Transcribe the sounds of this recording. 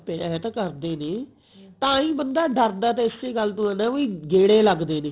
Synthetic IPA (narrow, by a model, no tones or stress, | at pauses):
peɛːt̪ːkəɾd̪eːneː | t̪ãːĩːbənd̪aːɖəɾd̪aːt̪ẽːɪseːɡəlt̪ũːə̃nãːiːɡeːɽeːləɡd̪eːneː